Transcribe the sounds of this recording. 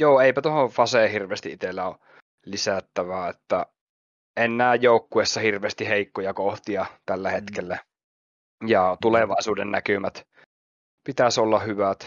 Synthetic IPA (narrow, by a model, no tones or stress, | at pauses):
joːeipæt̪ohofɑseːhirʋeːst̪iʔʔit̪elːæo | lisæt̪ːæʋæet̪ːæ | enːæːjjoˑukːuesːɑhirʋeːst̪iheikːojɑkoht̪iɑt̪ælːæhet̪kelːæ | jɑt̪uleʋɑˑisuːdennækymæt̪ | pit̪æsolːɑhyʋæt̪